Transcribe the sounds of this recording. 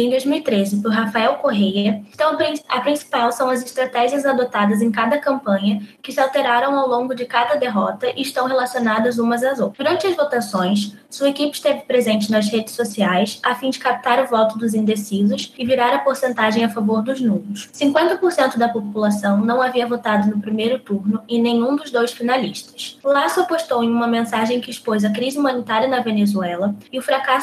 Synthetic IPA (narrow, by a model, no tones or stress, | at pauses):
ẽd̪ojzmiwit̪ɾezɪpʊɦafaɛwkoɦejɐt̪ɐ̃w̃pɾĩɐpɾĩsi̥pawsɐ̃w̃ɐzɪʃt̪ɾat̪ɛʒiɐzad̪ot̪ad̪ɐzẽj̃kad̪ɐkɐ̃mpɐ̃ɲɐkɪsɪawt̪eɾaɾɐ̃w̃awlõŋɡʊd͡ʒɪkad̪ɐd̪eɦɔt̪ɐʔɪːʃt̪ɐ̃w̃ɦelasionad̪ɐzũmɐzɐzod̪uɾɐ̃nt͡ʃɪɐzvot̪asõj̃ssuɐekipɪ̥ʃt̪evɪpɾezẽnt͡ʃɪnɐzhed͡ʒɪsosiajsafĩd͡ʒɪkap̚t̪aɾʊvɔt̪ʊd̪ʊzĩnd̪esizʊsɪviɾaɾɐpoɾsẽnt̪aʒẽj̃afavoɾd̪ʊznũmʊssĩŋkwẽnt̪ɐpoɾsẽnt̪ʊd̪ɐpopulasɐ̃w̃nɐ̃w̃aviɐvot̪ad̪ʊnʊpɾimejɾʊt̪uɾnʊẽnẽj̃ũd̪ʊzd̪ojsfinalḭʃt̪ɐ̥slasɐpoʃt̪owẽj̃ũmɐmẽsaʒẽj̃kɪːʃpojzɐkɾizɪumɐ̃nit̪aɾiɐnɐvenezuɛlɐɪʊfɾakas